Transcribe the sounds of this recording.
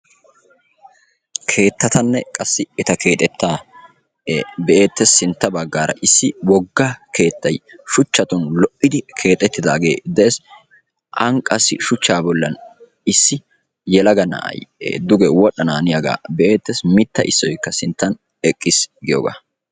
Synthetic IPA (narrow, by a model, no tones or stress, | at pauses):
kʰe̞ːt̪ːɐt̪ɐnːɛkʼɐsːɪɪt̪ɐkʰe̞ːt̪ʼɛt̪ːaː | bɛʔe̞ːt̪ːɛsɪnt̪ːɐbɐɡːaːɾɐ̰ʔɪsːɪwɔɡːakʰe̞ːt̪ːɐjʃʊt͡ʃːɐt̪ʊnlɔʔːɪd̪ɪkʰe̞ːt̪ʼːɛt̪ːɪd̪a̰ːɡe̞̰ːd̪ɛʔeːs | ʔɐŋkʼːɐsːɪ̰ʃʊt͡ʃːaːbɔlːɐn | ɪsːɪ | jɛlɐɡɐnɐ̰ʔɐ̰j̰d̪ʊɡɛwɔɗɐnaːnɪjɐɡa̰ːbɛʔeːt̪ːɛsmɪt̪ːɐʔɪsːɔjkːɐsɪnt̪ːɐn | ɛkʼːɪsɡɪjo̰ːɡa̰ː